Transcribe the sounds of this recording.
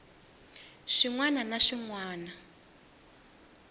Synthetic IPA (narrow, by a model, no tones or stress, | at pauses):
ʂiŋwananaʂiŋwaːna